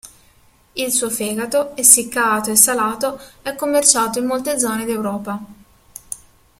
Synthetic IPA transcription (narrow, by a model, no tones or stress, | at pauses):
ilsuːofɛːɡat̪oɛsːikːaːt̪oesːalaːt̪oɛkːomːert͡ʃaːt̪oimːolt̪ed̪zɔːned̪iewɾɔːpa